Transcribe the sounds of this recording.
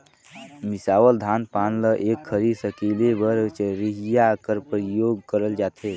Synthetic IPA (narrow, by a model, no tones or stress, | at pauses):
misaʋəld̪ʱanpanləʔekʰːəɾisəkelebəɾt͡ʃɾiɦijakəɾpɾəjoɡkəɾəld͡ʒat̪ʰe